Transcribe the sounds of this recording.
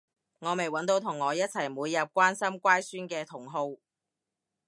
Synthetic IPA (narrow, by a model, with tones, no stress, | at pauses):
ŋɔː˨˧me˨˩jwɐ˨˥nt̪o˧wt̪ʰʊ˨˩ŋːɔː˨˧jɐ˥t̚t͡sʰɐ˨˩jmuː˨˧jːɐ˨p̚kʷaː˥nsɐ˥mkʷaː˥jsyː˥nkɛː˧t̪ʰʊ˨˩ŋɦo˧w